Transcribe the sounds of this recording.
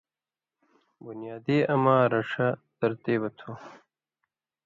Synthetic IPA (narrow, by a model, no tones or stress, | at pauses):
bunijaːd̪eɐmaːɾɐʂɐd̪ɐɾt̪eːwɐt̪ʰo